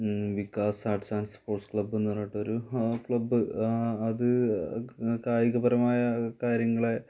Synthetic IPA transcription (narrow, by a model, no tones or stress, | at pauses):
ʋikːaːsaːʈsaːnsɐ̥poːrʈskɭɐbːenːirɐːjʈːɐoɾukɭɐbːɨɐðɨ | kaːjiɣɐbɐɾɐmaːjɐkaːɾjɐŋːɐɭe̞